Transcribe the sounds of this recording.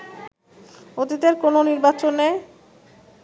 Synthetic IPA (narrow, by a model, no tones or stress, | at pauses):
ot̪it̪eɾkononiɾbat͡ɕonːɛj